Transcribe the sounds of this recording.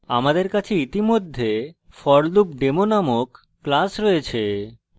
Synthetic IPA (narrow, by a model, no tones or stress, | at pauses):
a̰mad̪eɾkat͡ɕʰeit̪imod̪ʱːe | fɔɾlup̚ɖemonamokː | lasɾɔet͡ɕʰe